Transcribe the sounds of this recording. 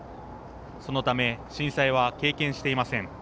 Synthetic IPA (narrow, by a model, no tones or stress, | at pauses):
so̞no̞t̪ame̞ɕĩɰ̃saiβ̞ake̞ːkẽ̞ɰ̃ɕi̥t̪e̞imasẽ̞ŋ